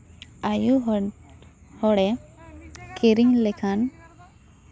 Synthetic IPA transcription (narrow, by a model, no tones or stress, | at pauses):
aju | hɔɽɛ | kʰiɾiɲlɛkʰan